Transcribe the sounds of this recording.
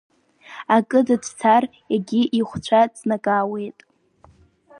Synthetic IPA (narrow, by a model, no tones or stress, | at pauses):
akʼɨdadtʰarjaɡʲiʔiχʷt͡ɕʷʰat͡sʼnakʼaːwe̞jtʼ